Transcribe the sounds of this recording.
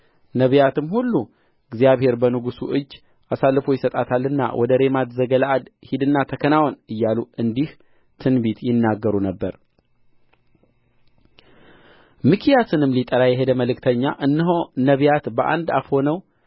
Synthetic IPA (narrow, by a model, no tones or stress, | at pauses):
nəβjat̪ɨmhulːu | ɨɡzijaβhe̞ɾbənɨɡusṵʔɨd͡ʒː | ʔasalːɨfo̞jɪsət̪ʼat̪ʰalːɨnːa̰wʔɔd̪əɾe̞mat̪zəɡəlaʔad̪hid̪ɨnːat̪ʰəkʰənawɔnɨjːaluʔɨnd̪ih | t̪ʰɨnbit̪jɪnːaɡːəɾunəbːəɾ | mɨkʰijasɨnɨmːlit̪ʼəɾajɛɦe̞d̪əməlɨkt̪ʰəɲːaʔɨnːɨɦonəβijat̪bəʔa̰nd̪a̰fho̞nəw